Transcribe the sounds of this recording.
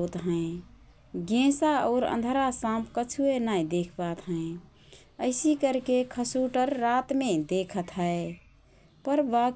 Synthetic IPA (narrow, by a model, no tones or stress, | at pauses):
t̪ɦə̃ẽ | ɡẽsaə̰ʊɾə̰̃nd̪ʱəɾasãpʰkət͡ʃʰuenajd̪ekʰbat̪ɦə̃ẽ | əɪsikəɾkekʰəsuʈəɾːat̪mẽd̪ekʰət̪ɦəe | pəɾba